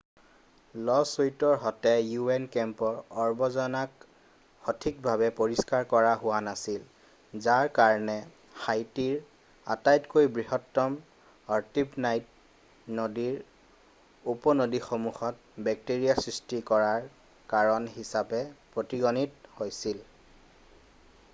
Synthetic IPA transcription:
lɔsojtɔɹɦɔtɛjuɛnkɛmpɔɹɔɹbɔzɔnak | hɔtʰik̚bʱabɛpoɹiskaɹkɔɹaɦʊwanasil | zaɹkaɹɔnɛ | xajtiɹ | a̰tajtkojbɹiɦɔtːɔm | aɹtipnajt̚ | nodiɹ | upɔnodixomuxɔt̚ | bɛk̚teɹijasɹistikɔɹaɹ | kaɹɔnɦisapɛpɹotiɡonithojsil

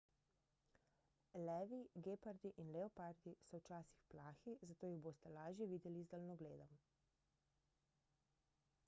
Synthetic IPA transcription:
lɛːʋiɡeːpaɾd̪iʔinlɛɔpaɾd̪isɔwt͡ʃaːsixplaːxizat̪oːjiɣboːst̪ɛlaːʒjɛʋiːd̪ɛlizd̪alnɔɡleːd̪ɔm

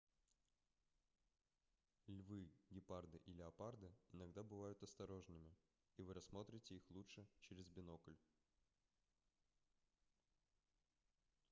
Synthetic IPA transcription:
lʲvɨɡʲɪpard̪ɨʔilʲɪɐpard̪ɨɪnɐɡd̪abɨvajʊt̪ɐst̪ɐɾo̞ʐnɨmʲɪ | ivɨɾɐsmo̞t̪ɾʲɪtʲɪixlˠutʂɨt͡ɕeɾʲɪzbʲɪno̞kəlʲ

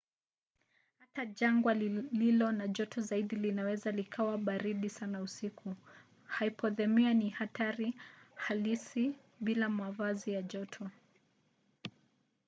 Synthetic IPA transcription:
hataʄaŋɡwalilɔnaʄɔtʰɔzaiɗilinawɛzalikʰawaɓaɾiɗisanausikʰu | haipɔðɛmianihataɾihalisi | ɓilamavazijaʄɔtʰɔ

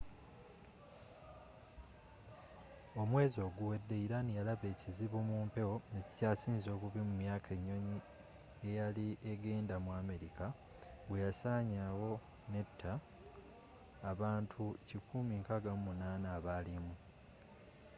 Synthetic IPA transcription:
o̞mwe̞ːzo̞ːɡuwe̞dːe̞iɾanijalaβe̞ːciziβumuːmpe̞wo̞neci̥caːsiːnzo̞ːkuβimumjaːkʰe̞ɲːo̞ɲi | e̞jaliʔeɡeːndamwaːme̞ɾika | wejasaːɲawo̞ | ne̞tʰːa | βaːntʰucikʰumiŋkaɡammunaːnaːβaːlimu

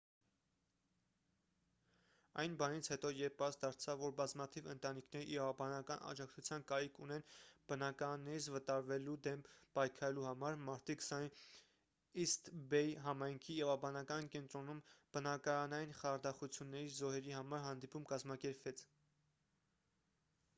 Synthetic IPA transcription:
ɑ̰jnbɑnit͡sʰhɛt̪ɔjɛɾpɑsd̪ɑɾt͡sʰɑvːɔɾbɑzmɑt̪ʰivənt̪ɑnikʰnɛɾiʔːɾɑvɑbɑnɑkɑnɑ̰d͡ʒɑk̚t͡sʰut͡sʰjɑnkɑɾikʰunɛnb̥ənɑkɑɾɑnːɛɾit͡sʰvət̪ɑɾvɛlud̪ɛmpɑjkʰɑɾɛluhɑmɑɾmɑɾt̪ikʰsɑn | ist̪bɛjɦɑmɑjŋkʰijɛvɑbɑnɑkɑnkɛnt̪ɾɔnumb̥ənɑkɑɾɑnɑjinχɑɾd̪ɑχut͡sʰjunːɛɾizɔɦɛɾihɑmɑɾɦɑnd̪ipumkɑzmɑkɛɾpvɛt͡sʰ

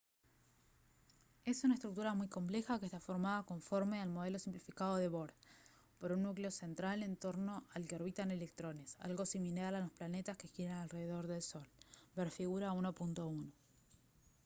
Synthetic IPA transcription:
e̞sunaest̪ɾuk̚t̪uɾamujko̞mple̞xakest̪afo̞ɾmaðako̞ɱfo̞ɾme̞almo̞ð̞e̞lo̞simplifikað̞o̞ðe̞βo̞ɾð | poɾunːukleo̞se̞nt̪ɾale̞nt̪o̞ɾno̞alkeoɾβit̪ane̞le̞k̚t̪ɾo̞ne̞sa̰lɣo̞similaɾɾalo̞splanet̪aske̞xeɾenalre̞ðeðo̞ɾðe̞lso̞lbeɾfiɣuɾaunopunt̪o̞uno

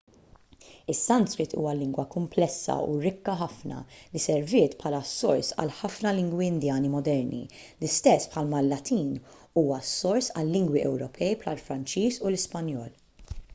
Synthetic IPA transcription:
ɪsːɐnt̪skɾɪt̪ʰṵːɐlɪŋɡwɐkʊmplɛsːɐ̰ṵɾɪkːɐħɐfnɐ̰lisɛɾvɪːt̪pʰħɐːlɐsːɔ̰ɾsɐ̰lħɐfnɐlɪŋɡwiɪnd̪jɐːnimɔd̪ɛɾnḭ | lɪst̪ɛsːpħɐlmɐlːɐt̪iːn | uːwɐsːɔɾsɐ̰lːɪŋɡwiʔɛwɾɔpʰɛjpħɐlfɾɐnt͡ʃiːsulɪspɐnjɔːl

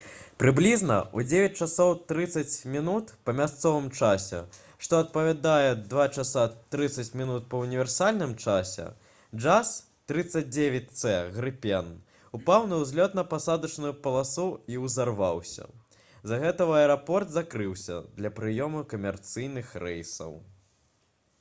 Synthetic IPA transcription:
pɾɨblʲiznɐ̰ud͡zʲevʲɛt͡sʲt͡ʂasɔwt̪ɾɨt̪sɐt͡sʲmʲinut̪pɐmʲast̪sɔvɨmt͡ʂasʲɛ̰ | ʂt̪ɔɐt̪̚pɐvʲad̪ajɛd̪vat͡ʂasat̪ɾɨt̪sːɐt͡sʲmʲinut̪̚pɐunʲivʲɛrsalʲnɨmt͡ʂasʲɛ̰ | d͡ʐas | t̪ɾɨt̪sɐd͡z̚ʲd͡zʲevʲɛt͡sʲt̪sɛɣɾɨpʲɛn | upawnɨwzʲlʲɔt̪nɐpasad̪ɐt͡ʂnujupɐlˠasuiwzarvawsʲɐ̰ | zɐɣɛt̪ɐɐɛɾapɔrt̪zakɾɨwsʲɐ̰d̪lʲɐpɾɨjɔmukɐmʲɛrt̪sɨjnɨxrɛjsɐ̰w

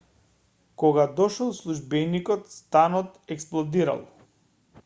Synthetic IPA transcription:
kɔɡad̪ɔʃɛlˠslˠuʒbɛnikɔt̪st̪anɔt̪ɛksplˠɔd̪iɾa̰lˠ

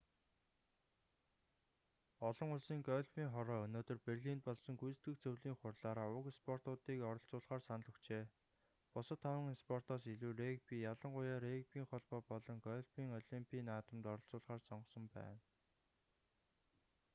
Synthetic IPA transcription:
ɔɮɞ̆ŋʊɮsiːŋɡɔɮpiːŋχɔɾɔːɵnoːt̪ɵ̆rperɮiːnt̪̚pɔɮsɞ̆ŋɡujst̪ɡɘ̆xt͡sʰɵwɮiːŋχʊrɮaːɾaːʊkspʰɔr̥t̪ʊːt̪iːkɔɾɞ̆ɬt͡sʊːɮχaːrsanɮɞ̆kt͡ɕeː | pʊsə̆t̪ʰːawə̆ŋispʰɔr̥t̪ɔːsiɮuːrek̚piːjaɮə̆ŋɢʊjaːɾek̚piːŋχɔɮpɔːpɔɮɞ̆ŋɡɔɮpʰiːŋɔɮimpʲʰiːnaːt̪ə̆mt̪ɔɾɞ̆ɬt͡sʊːɮʁaːrsɔɴɢɞ̆sə̆mpæ̰ːn

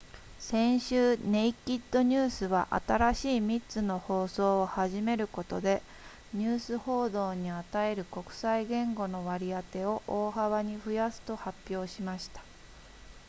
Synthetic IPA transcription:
sẽ̞ɰ̃ɕɨːne̞ikʲːit̪ːo̞ɲ̟ɨːsɨβaʔa̰t̪aɾaɕiːmʲitt͡sɨno̞ho̞ːso̞ːhaʑime̞ɾɯ̟ko̞t̪o̞d̪e̞ | ɲ̟ɨːsɨho̞ːd̪o̞ːɲ̟iat̪ae̞ɾɯ̟ko̞kɯ̟̥saiɡẽ̞ŋɡo̞no̞βaɾʲiat̪e̞o̞ʔoːɦaβaɲ̟iɸɯ̟jasɨ̥t̪o̞hapʲːjo̞ːɕimaɕi̥t̪ḁ

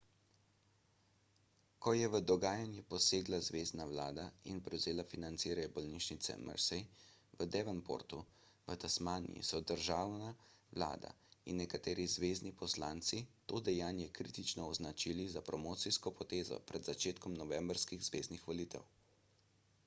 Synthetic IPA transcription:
kɔjɛʋəd̪ɔɡaːjanjɛpɔseːɡlazʋeːznawlaːd̪ainpɾɛwzeːlafinant̪siːɾajɔbɔlniːʃnit̪sɛ̰mʔə̰ɾsɛjʋəd̪ɛʋɛnpo̰ːɾt̪u | ʋət̪asmaːnḭjḭsɔd̪əɾʒaːwnaʋla̰ːd̪a̰inːɛkat̪eːɾizʋeːznipɔslaːnt̪sit̪oːd̪ɛjaːnjɛkɾiːt̪it͡ʃnɔːznat͡ʃilizapɾɔmoːt̪sijskɔpɔt̪eːzɔ̰pɾɛd̪zat͡ʃeːt̪kɔmnɔʋɛmbɾskiɣzʋeːznixʋɔliːt̪ɛ̰w

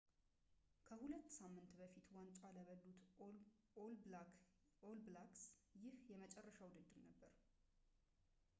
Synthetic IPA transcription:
kʰəhulət̪ːsamːɨnt̪bəfit̪want͡ʃʼaləβəlːut̪ | ol | olblaksjɪhjɛmət͡ʃʼɛrːəʃawud̪ɨd̪ːɨɾnəbːəɾ

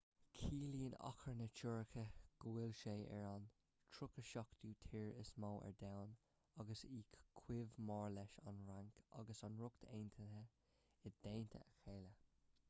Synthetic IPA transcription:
kʰiːliːənɑ̰kʰəɹnət͡ʃʰuɹəkʰəɡ̥uwɪlʃeːʔɛ̰ɹɑn | tʰɹʊkəʃɔkd̪̥uːt̪ʰiːɹɪsmoːʔɛ̰ɹdawn | ɑɡəsiːkkʰwɪvmɑːɹlɛʃɑ̰nɹaŋkɑ̰ɡəsɑnɹʊkt̪ʰeːnt̪ʰəə | ɪd̪̥eːnt̪ʰə̰əxeːlə

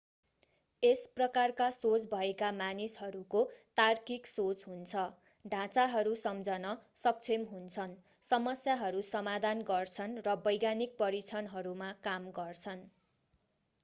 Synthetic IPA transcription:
esprʌkarkasot͡sbʱʌekamanisɦʌɾukot̪arkiksot͡sɦunt͡sʰʌ | ɖʱãt͡saɦʌɾusʌmd͡zʌnʌsʌk̚t͡sʰemɦunt͡sʰʌn | sʌmʌsjaɦʌɾusʌmad̪ʱanɡʌrt͡sʰʌnrʌbʌjɡanik̚pʌɾit͡sʰʌnɦʌɾumakamɡʌrt͡sʰʌn

